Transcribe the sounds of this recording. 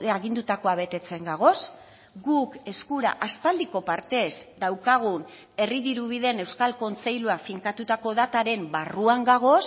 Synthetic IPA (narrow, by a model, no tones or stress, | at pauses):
aɣind̪ut̪ako̞aβ̞e̞t̪e̞t͡se̞ŋɡaɣ̞o̞s | ɡuke̞skuɾa̰ʔaspald̪iko̞paɾt̪e̞zd̪awkaɣ̞un | e̞riðiɾuβ̞iðe̞ne̞wskalko̞nt͡se̞jluafiŋkat̪ut̪ako̞ðat̪aɾe̞mbaruaŋɡaɣ̞o̞s